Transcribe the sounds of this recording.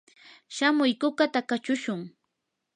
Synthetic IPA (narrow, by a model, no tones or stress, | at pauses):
ʃamʊjkʊkat̪akat͡ʃʊʃʊŋ